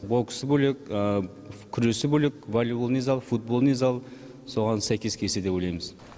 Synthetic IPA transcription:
boksbɵlekə | kʲʰʏɾe̞sɪbɵlekvolʲublˠnizɑlˠfut̪̚bo̞lˠnizɑlˠ | so̞ʁɑnsæjkʲe̞skʲʰesed̪epojlʲˠɑjməz

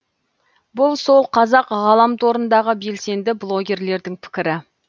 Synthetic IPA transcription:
bʊlˠso̞lˠqʰɑzɑqʁɑlˠɑmt̪ʰoɾənd̪ɑʁəbe̞lse̞nd̪ɪblˠo̞ɡʲe̞ɾle̞ɾd̪ɪŋpʰɪ̥kʲɪɾɪ

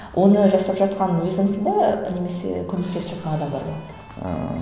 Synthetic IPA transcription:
wʔo̞nəʒɑsɑpʒɑt̪̚qɑnənwɵzɪŋsənd̪ɑne̞me̞se̞̰kʲʰɵme̞k̚t̪e̞sɪpʒɑt̪qɑnɑd̪ɑmd̪ɑ̰ɾbɑ | ə̰

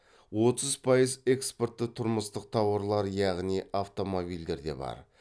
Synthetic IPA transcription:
wo̞t̪əzpʰɑjəze̞kspo̞rt̪ːət̪ʰʊɾməst̪əq̚t̪ʰɑwəɾlˠɑɾjɑʁniaft̪o̞mo̞bijld̪e̞ɾd̪e̞̰bɑ̰ɾ

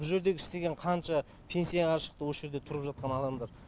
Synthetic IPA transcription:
ʊʒe̞ɾd̪e̞ɡʲɪst̪e̞ɡʲeɴqʰɑnt͡ʃɑ | pʲʰe̞nsijɑʁɑʃə̥qt̪əwo̞sʒe̞ɾd̪e̞t̪ʰʊɾəpʒɑt̪̚qɑnɑd̪ɑmd̪ɑɾ

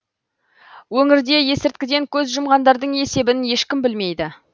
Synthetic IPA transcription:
wɵŋɪɾd̪e̞je̞sɪɾt̪̚kʲɪd̪e̞ŋkʲʰɵzʒʊmʁɑnd̪ɑɾd̪əɴe̞se̞bɪnje̞ʃkʲɪmbɪlme̞jd̪ɪ

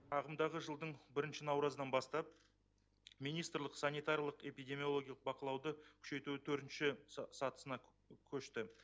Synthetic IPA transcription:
ɑʁəmd̪ɑʁəʒəlˠd̪əɴbɪɾɪnʃɪnɑwɾɑzəd̪ɑnbɑst̪ɑp̚ | mijnijst̪rlˠəqsɑnijt̪aɾjɑlˠəqe̞pijd̪ʲe̞mio̞lˠo̞ɡʲjɑlˠəq̚bɑqəlˠɑwd̪əkʲʰʏ̥ʃe̞t̪uɪt̪ʰɵɾt̪ɪnʃɪsɑt̪ə̥sənɑ | kʲʰɵʃt̪ɪ

